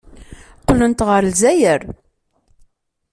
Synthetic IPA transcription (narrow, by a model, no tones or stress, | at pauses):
q̪lənt̪ʁəɾlzæjəɾ